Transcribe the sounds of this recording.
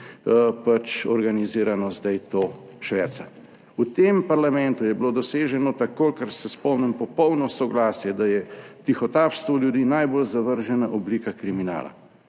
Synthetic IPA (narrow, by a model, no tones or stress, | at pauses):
pat͡ʃɔɾɡaniziːɾanɔzd̪ajt̪oːʃʋɛɾt̪sa | ut̪empaɾlamɛ̃nt̪ujɛblod̪ɔseːʒɛnɔt̪akokəɾsɛspɔwnɛmpɔpɔwnɔsɔɡlaːsjɛd̪ajɛt̪ixɔt̪aːpst̪ʋɔljud̪iːnajbolzaʋəɾʒɛnaʔɔbliːkakɾimina̰ːla̰